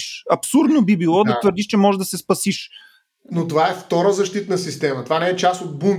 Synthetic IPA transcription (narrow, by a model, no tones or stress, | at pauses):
ʃɐpsuɾd̪nobibilˠɔd̪ɐt̪vəɾd̪iʃt͡ʃɛmɔʒɛd̪ɐsɛspɐsiʃ | not̪ovaɛft̪ɔɾəzɐʃt̪it̪nɐsist̪ɛmɐt̪ovanɛɛt͡ʃasod̪̚bum